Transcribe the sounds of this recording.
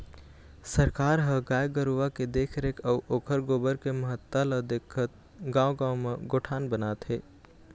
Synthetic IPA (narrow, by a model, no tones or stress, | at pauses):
səɾkaːɾɦɐ̃ɡaːjɡəɾuʋaked̪eːkʰɾeːkʰɐʋʔoːkʰəɾɡoːbəɾkeməɦət̪ːalɐd̪eːkʰət̪̚ | ɡãːwɡãːwmeɡoːʈʰaːnbənaːt̪ɦeː